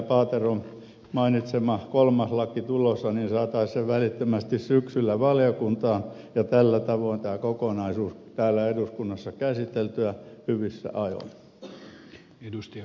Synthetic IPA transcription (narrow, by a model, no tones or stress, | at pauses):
pɑːt̪eron | mɑinit̪semɑkolmɑslɑkit̪ulosːɑniːnsɑːt̪ɑisseʋʋælit̪ːømæst̪issyksylːæʋɑljokunt̪ɑːn | jɑt̪ælːæt̪ɑʋoˑint̪æːkokonɑisuːst̪æːlːæeduskunːɑsːɑkæsit̪elt̪yæhyʋisːæ̰ʔɑjo̰n | edust̪i